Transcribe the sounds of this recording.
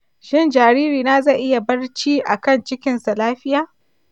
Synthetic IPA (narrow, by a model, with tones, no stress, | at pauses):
ʃɪ˦˨nd͡ʒaː˨ɾiː˦ɾiː˨na˦zɐ˦˨ʔɪ˦ja˨bɐ˦rt͡ʃiː˦ʔa˨kɐ˦˨nt͡ʃɪ˦kʲɪ˦nsa˨laː˦ɸɪ˦jaː˨